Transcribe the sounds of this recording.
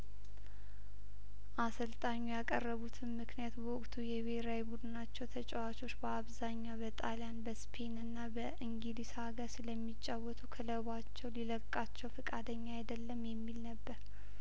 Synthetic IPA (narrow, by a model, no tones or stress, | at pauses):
ʔasəlt̪ʼaɲːujakʼərːəβut̪ʰɨnmɨknijat̪bəwɔkʼt̪ʰujɛβeɾawjbud̪ɨnat͡ʃːɛwt̪ʰət͡ʃʼɛwat͡ʃʼo̞t͡ʃːbəaβzaɲːabət̪ʼaljanbəspʰenɨnːabəʔɨŋɡilisaɡəsɨləmːit͡ʃʼːawɔt̪ʰukʰələβat͡ʃːɛwliləkʼːat͡ʃːɛwfɨkʼad̪əɲːajd̪əlːəmjɛmːilnəbːəɾ